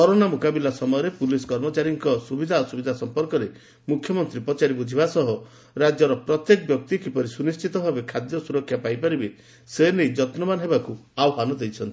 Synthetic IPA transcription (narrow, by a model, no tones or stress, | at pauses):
kɔɾonamukabilasɔmɔjɔɾepuliskɔɾmɔt͡ʃaɾiŋkɔsubid̪ʱaosubid̪ʱasɔmpɔɾkɔɾe | mukʰjɔmɔnt̪ɾipɔt͡ʃaɾibud͡ʒʱibasɔɦɔ | ɾad͡ʒjɔɾɔpɾɔt̪jekɔbjɔk̚t̪ikipɔɾisunist͡ʃʰit̪ɔbʱabekʰad̪jɔsuɾɔkʰːjapajpaɾibe | senejd͡ʒɔt̪nɔmanɔɦebakuawɦanɔd̪ejt͡ʃʰɔnt̪i